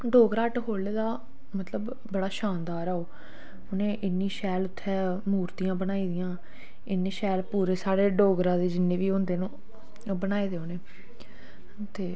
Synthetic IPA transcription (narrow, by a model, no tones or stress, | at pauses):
ɖoːɡɾaːʈɦoːleːd̪aː | mət̪ləb | bəɽaːʃaːnd̪aːɾaːoː | ʊnẽːʔɪnːiːʃɛːlʊt̪ʰːɛː | muːɾt̪ijãːbəñaːiːd̪ɪjãː | ɪnːiːʃɛːlpuːɾeːsaːɽeːɖoːɡɾãːd̪eːd͡ʒɪnːẽːʋiːʊnd̪eːnũː | bənaːeːd̪eːoːneː | t̪eː